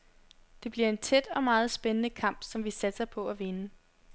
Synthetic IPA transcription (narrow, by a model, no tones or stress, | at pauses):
d̥e̝b̥liɐe̝nt͡sʰed̥ɒ̽mɑ̈ːð̞̩ˠsb̥enənəkʰɑ̈m̰b̥sɒ̽mʋisæd̥sɐpʰɒ̽æʋe̝nə